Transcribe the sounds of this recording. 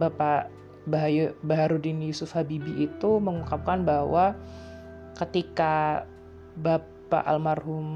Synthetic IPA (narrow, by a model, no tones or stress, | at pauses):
bapa | baɦajabaɦaɾudinjusʊfhabibiʔːt̪uməŋukap̚kanbaɦwa | kət̪ika | ba | pa̰ʔa̰lmarɦʊm